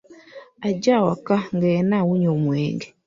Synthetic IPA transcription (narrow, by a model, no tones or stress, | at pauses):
aɟawakaŋɡanawuɲomwḛːŋɡe̥